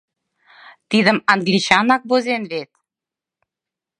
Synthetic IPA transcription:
t̪id̪ə̆mɑŋɡlit͡ɕɑnɑk̚bozenβet̪̚

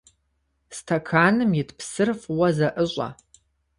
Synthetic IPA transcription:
stʰakʰaːnɨmjɪtʰpʰsɨrfwɐzaʔɨɕʷʼa̰

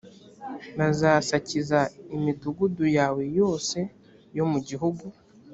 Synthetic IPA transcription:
nazaːsacizaimiduɡudujaːwe̞jo̞ːse̞ | jo̞muɟiɦuɡu

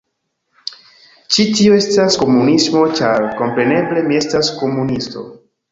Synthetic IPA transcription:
t͡ʃitio̞e̞stasko̞munismo̞t͡ʃaɾko̞mpɾe̞ne̞ble̞mie̞stasko̞munisto̞̰

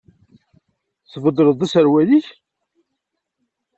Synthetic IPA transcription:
θvəd̪ˤɾəðˤæsəɾwæðiç

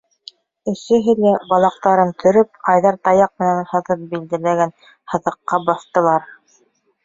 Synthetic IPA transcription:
ɘ̆ʃɘ̆ɦɘ̆læbɑlˠɑq̚t̪ɑɾɤnt̪ʰɵ̆ɾɵp̚ɑjðɑɾt̪ɑjɑq̚mɘ̆nænhɤ̆ðɤp̚bild̪ælæɡæn | hɤ̆ðɤ̆qːɑbɑθt̪ɤ̆lˠɑɾ

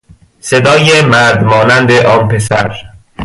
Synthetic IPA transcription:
sed̪ɒːjemæɾd̪mɒːnænd̪eʔɒːnpesæ̰ɾ

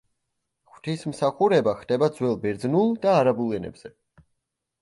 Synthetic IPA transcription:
χwt̪ʰismsaχuɾɛbaχd̪̥ɛbad̪zwɛlˠbɛɾd̪znulˠd̪aːɾabulˠɛnɛ̰bz̥ɛ

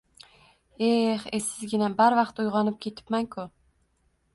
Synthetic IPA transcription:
eχesɪzɡʲɪnabaɾvɑqt̪ujʁɑnɪp̚kʲʰe̞t̪ʰɪ̥pmaŋkʰʊ

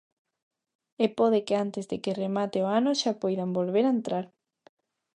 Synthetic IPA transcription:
epoðeɪkeant̪ɪzðekeremat̪eoanoʃapojðambolβeɾaent̪ɾaɾ

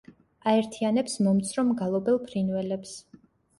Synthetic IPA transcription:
aɛɾt̪ʰianɛpsmɔmt̪sʰɾɔmɡalˠɔbɛlˠpʰɾinvɛlɛps

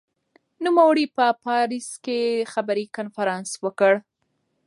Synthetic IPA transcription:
numawəɽipəpɑɾiskexabaɾikanfaɾɑnswəkəɽ

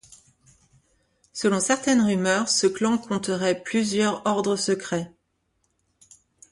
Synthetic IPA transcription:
səlɔ̃sɛʁt̪ɛnʁymœʁsəklɑ̃kʰɔ̃t̪əʁɛplyzjœʁɔʁd̪ʁəsəkχɛ

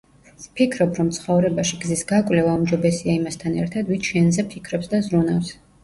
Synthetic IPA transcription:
pʰikʰɾɔbɾɔmt̪sʰχɔvɾɛbaʃiɡzisɡakʼvlɛvaumd͡ʒɔbɛsiaimast̪ʰanɛ̰ɾt̪ʰad̪vit̪ʃɛnzɛpʰikʰɾɔpsd̪azɾunafs

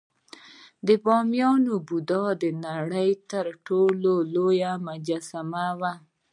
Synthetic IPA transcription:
d̪əbɑmjɑnobud̪ɑd̪ənaɽəjt̪əɾʈololojamʊd͡ʒasamawa

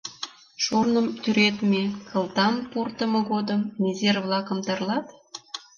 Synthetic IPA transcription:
ʃornəmt̪yɾet̪mʲekʰə̆lˠt̪ɑmport̪əmɤ̆ɣod̪əmnʲezervlˠɑkəmt̪ɑrlɑt̪

